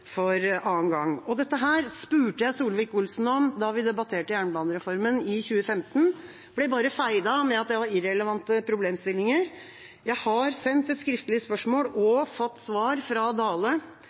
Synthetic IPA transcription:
fɔɾɑːnɡɑŋːɔd̪ɛt̪ːəɦæːɾspʉːʈəjæɪsuːlʋɪkʊlsn̩ɔmd̪ɑʋɪd̪ɛbɑt̪ʰeːʈəjæːɳəbɑːnəɾɛfɔɾmənɪçʉːəfɛmt̪n̩ | b̥lɛbɑːɾəfæɪd̪ɑmɛɑt̪̚d̪æɪʋɑɾɪɾɛləʋɑnt̪əpʰɾʊbleːmst̪ɪlːɪŋəɾ | jæɪhɑɾsɛnt̪ɛt̪skɾɪft̪əlɪəspœʂmoːlɔfɔt̪ːsʋɑːɾfɾɑd̪ɑːlə

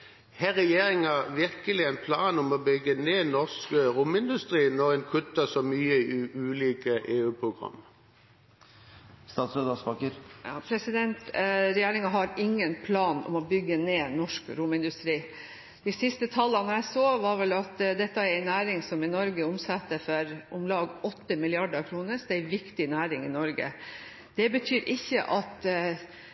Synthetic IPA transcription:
hɛʁɛjeːɾɪŋæʁʋɪʁkəlɪæɪnpʰlɑːnɔmɔbʏɡːəneːnɔʁskəɾʊmɪnd̪ʉst̪ʁiːnɔʁɛnkʰʉt̪ːəsɔmyːəʔʉːliːkəʔeːʉːpʰʁʊɡʁɑ̰mː | st̪ɑːt̪sød̪ɑsbɑkəɾɑpʰɾɛsɪd̪ɛnt̪ɾɛjeːɾɪŋɑɦɑɾɪŋːənpʰlɑːnɔ̰mɔbʏɡːəneːnɔʂkɾʊmɪnd̪ʉst̪ɾiː | d̪̥ɪsɪst̪ət̪ʰɑlːənɾjæɪsoːʋɑːɾʋɛlɑt̪d̪ɛt̪ːəæɾæɪnæːɾɪŋsɔmɪnɔɾɡəʊmsɑt̪ːəfɔɾʔʊmlɑːɡɔt̪ːəmɪlɪɑɖəɾkʰɾuːnəsd̪ɛæʋɪkt̪ɪnæːɾɪŋɪnɔɾɡə̰ | d̪̥ɛbət̪ʰyːɾʔɪçːəʔɑt̪

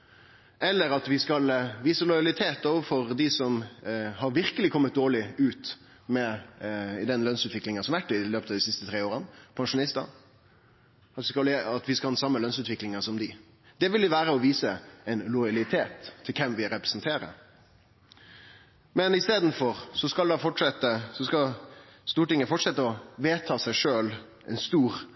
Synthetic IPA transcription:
ɛlːəɾɑt̪ʋɪskɑlʋiːsəlɔjɑlɪt̪ʰeːt̪oːʋəfɔɾd̪ɪsɔmhɑɾʋɪɾkəlɪkʰɔmːət̪̚d̪oːɭɪʉːt̪ | mɛ | d̪ɛnlœnsʉːt̪ʋɪklɪŋənsɔmɑʋæʈːɪløːpət̪ʰɑʋd̪ɪsɪst̪ət̪ʰɾeːoːɾənpʰɑŋʂʊnɪst̪ɑ̰n | ɑt̪ʋɪskɑlɑt̪ʋɪskɑhɑnːsɑmːəlœnsʉːt̪ʋɪklɪŋəsɔmd̪ɪ | d̪̥ɛʋɪld̪ɪʋæːɾəɔʋiːsəɛɪnlɔjɑlɪt̪ʰeːt̪ʰːɪlkʰɛmʋɪɾɛpɾɛ̥snt̪ʰeːɾə̰ɾ | mɛnɪst̪eːd̪n̩fɔɾsɔskɑld̪ɑfɔʈʂɛt̪ːəsɔskɑst̪uːʈɪŋːəfɔʈʂɛt̪ːəɔʋeːt̪ʰɑːsæɪʂøːl | ʔɛ̰ɪnst̪uːɾ

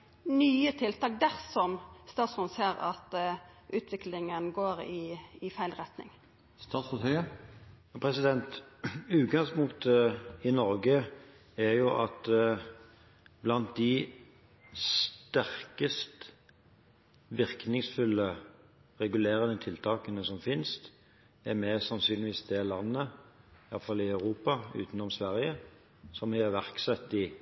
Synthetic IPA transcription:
nyːət̪ʰɪlt̪ɑːk̚d̪æʁsɔmst̪ɑːt̪sfʊnseːɾɑ̰t̪ʔʉːt̪ʰʋɪklɪŋənɡoːɾɪːfæɪlʁɛt̪nɪ̰ŋ | st̪ɑːt̪sət̪ʰiə | pʰɾɛsɪd̪ɛnt̪ʉːt̪ɡɑŋspʊŋkt̪ɪnɔɾɡə | æjʊʔɑt̪ | blɑnt̪̚d̪ɪ | st̪æʁkəst̪ | ʋɪʁknɪŋsfʉlːə | ʁɛɡʉleːɾənət̪ʰɪlt̪ʰɑːkənəsɔmfɪnst̪ | ɛɾmɛsɑnsyːnɪʋiːsd̪ɛlɑnːə | ɪjɑt̪fɑlːɪɑʉʁuːpɑʉ̰ːt̪ənɔmsʋæɾjə | sɔmɪæʋæʁksɛt̪ːɪ

